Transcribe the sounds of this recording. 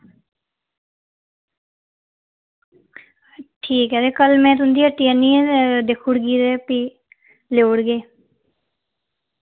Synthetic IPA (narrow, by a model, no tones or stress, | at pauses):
ʈʰiːkɦɛːd̪eːkəlmɛ̃ːt̪ʊnd̪iːəʈːiːanĩːd̪eːkʰuɽɡiːd̪eːpiː | leːuɽɡeː